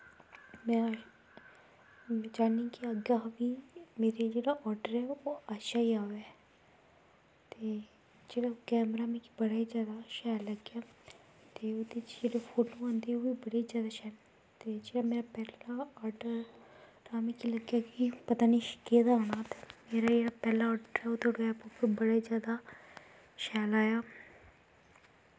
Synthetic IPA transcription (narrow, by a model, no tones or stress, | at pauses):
mɛ̃ | mɛ̃d͡ʒaːnikiəɡabimeːɾed͡ʒeːɽaʔɔːɾɖəɾɛoaʃaiaːʋe | t̪e | d͡ʒeːɽakɛːmɾamẽkibɐɽaːizjaːd̪aʃaːjlɐɡja | t̪eːod̪et͡ʃd͡ʒeːɽepʰolũãːnd̪eːoːʋiːbəɽezjaːd̪aːʃɛːl | t̪eːd͡ʒeːɽaːmeːɾaːpɛːlaaːɖəɾɾaːmeːkiləɡjaːkiːpət̪aːniːʃked̪aoɳaːt̪e̥ːmeːɾaːeːɾaːpɛːlaːɔːɖəɾɛːoːt̪ʰoɽõɛːpopəbəɽaːizjaːd̪aː | ʃɛːlaːjaː